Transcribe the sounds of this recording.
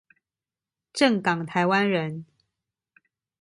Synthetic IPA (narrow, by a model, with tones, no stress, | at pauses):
ʈ͡ʂə˥˩ŋkɑ˨˩ŋt̪ʰa˧˥ɪwa˥nɻə˧˦n